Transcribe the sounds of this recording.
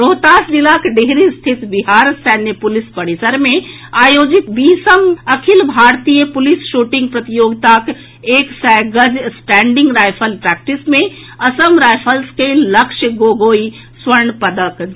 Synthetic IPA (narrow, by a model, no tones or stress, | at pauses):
ɾoːɦt̪aːsd͡ʒilaːkɖeɦɾist̪ʰit̪biɦaːɾsɛːnjəpʊlispɐɽisəɾmẽ | aːjoːd͡ʒit̪biːsəmɐkʰilbʱaːɾt̪ijəpʊlisʃuʈɪ̃ŋɡ̚pɾɐt̪ijoːɡt̪aːk | eːksɛɡəd͡ʒsʈɛ̃ːɳɖɪ̃ŋɡɾaːjpʰəlpɾɛːk̚ʈismẽ | ɐsəmɾaːjpʰəlskelɐkʃəɡoːɡoːi | swəɾɳpɐd̪ək